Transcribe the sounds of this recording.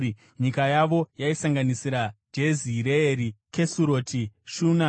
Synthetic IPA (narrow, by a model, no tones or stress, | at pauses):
ɲikajaʋo̞jaisaŋɡanisiɾad͡ʒe̞ziɾeeɾike̞suɾo̞tʰiʃuna